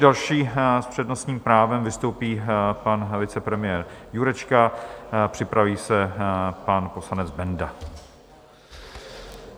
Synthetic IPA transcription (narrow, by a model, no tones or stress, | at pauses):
dalʃiːspr̝̥ɛdno̞sɲiːmpɾaːvɛmvɪst̪o̞wpiːpanvɪt͡sɛpɾɛmɪjɛːɾjuɾɛt͡ʃkapr̥ɪpɾaviːsɛpanpo̞slanɛd͡zbɛnda